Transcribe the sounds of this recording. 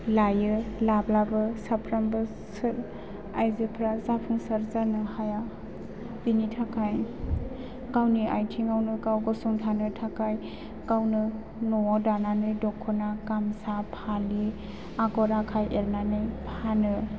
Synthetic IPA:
lajɯlablabɯsapʰɾambɯ | sɯɾ | ajzɯpʰɾazapʰuŋsaɾzanɯhaja | b̥initʰakʰaj | kawniʔajtʰiŋawnɯkawɡɔsɔŋtʰanɯtʰakaj | kawnɯ | nɔdananɯjdɔkʰːɔnakamsapʰali | aɡɔɾakʰajeɾnanɯjpʰanɯ

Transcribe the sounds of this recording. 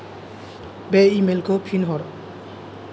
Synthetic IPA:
beimelkopʰinɦɔɾ

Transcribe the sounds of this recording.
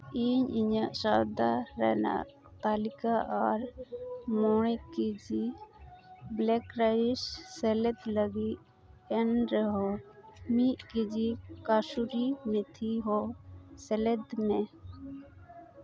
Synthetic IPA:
iɲiɲaʔsad̪aɾɛ̰na̰ʔ | t̪alikaʔaɾmɔɽ̃ɛkid͡ʒi | blɛkɾaissɛlɛt̪ləɡi | ɛnɾɛɦɔmiʔkid͡ʒikasuɾimɛt̪ʰiɦɔsɛlɛt̪mɛ

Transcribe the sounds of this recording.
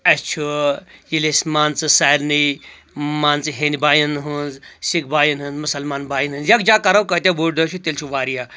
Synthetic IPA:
ɐst͡ʃʰujilesmaːnt͡sɨsaːɾni | maːnt͡sɨɦeːnibaːjinɦɨnzsik̚baːjinɦɨnzmʊsɐlmaːnbaːjinɦɨnzjakd͡ʒaːkɐɾɐwkɐt̪ʲabuʈd̪ot͡ʃʰut̪ilt͡ʃʰuʋaːɾija

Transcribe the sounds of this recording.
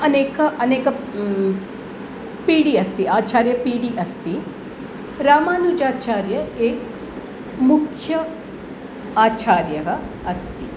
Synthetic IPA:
ɐneːkɐɐneːkɐ | piːɽiɐst̪iaːt͡ʃaːɾjɐpiːɽiʔɐst̪i | ɾaːmaːnud͡ʒaːt͡ʃaːɾjɐeːk | mukʰjɐ | aːt͡ʃaːɾjɐɦɐ | ɐst̪i

